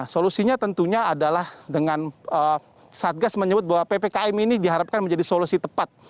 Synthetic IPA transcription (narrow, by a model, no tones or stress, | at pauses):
solusiɲat̪ənt̪uɲaadalahdəŋanə | sat̪̚ɡasməɲəbʊt̪̚baɦwapepekaɛminidiɦaɾap̚kanməɲd͡ʒadisolusit̪əpat̪̚